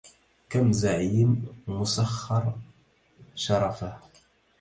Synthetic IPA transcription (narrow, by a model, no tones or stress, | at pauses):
kæmzaʕjəmmʊsaχːɑɾˤ | ʃɑɾˤɑfa